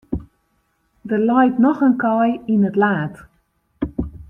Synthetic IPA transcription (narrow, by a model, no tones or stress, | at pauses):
dərlɔjtnɔxənkɔjinətlaːt